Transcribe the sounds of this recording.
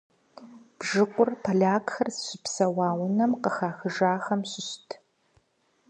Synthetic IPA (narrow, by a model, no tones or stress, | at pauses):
b̥ʒɨqʷʊrpʰɐɮaːkxɐrsɕɪpsɐwɑːwʊnɐmqəxaːxɨʒaːxɐmɕɪɕtʰ